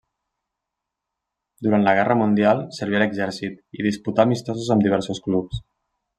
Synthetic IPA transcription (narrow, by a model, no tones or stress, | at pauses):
d̪uɾant̪ləɣ̞ɛrəmund̪ialˠsəɾβiələɡzɛɾsit̪iðisput̪amist̪ɔzuzəmd̪iβɛɾsusklups